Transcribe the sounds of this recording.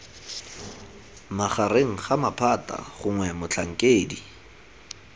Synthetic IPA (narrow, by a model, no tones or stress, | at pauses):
maχareŋ̩χamapʰatʼa̰χʊŋwɛmʊt͡ɬʰaŋ̩kʼeːdi